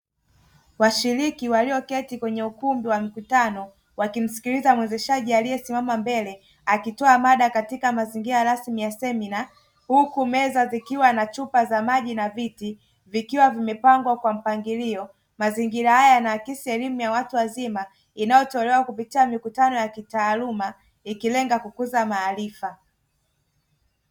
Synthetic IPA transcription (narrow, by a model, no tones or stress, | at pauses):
waʃiɾikiwaliɔkɛtikwɛɲɛukumbiwamikutanɔ | wakim̩si̥kilizamwɛzɛʃaʄialijɛsimamambɛlɛ | akitɔamaɗakatikamaziŋɡiɾaɾasmijasɛmina | hukumɛzazikiwanat͡ʃupazamaʄinaviti | vikiwavimɛpaŋɡwakwam̩paŋɡiliɔ | maziŋɡiɾahajanaːkisiɛlimujawatuwazima | inajɔtɛːlɛwakupitiamikutanɔjakitaːluma | ikilɛŋɡakukuzamaːlifa